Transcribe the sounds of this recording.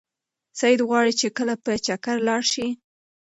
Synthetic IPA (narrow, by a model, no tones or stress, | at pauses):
sajɪd̪ɣwɑɽit͡ʃekəlapət͡ʃakaɾlɑɽʃi